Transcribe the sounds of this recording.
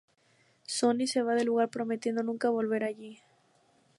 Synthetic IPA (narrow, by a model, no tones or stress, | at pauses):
so̞nise̞βaðe̞luɣaɾpɾo̞met̪je̞nd̪o̞nũŋkaβo̞lβe̞ɾaʝi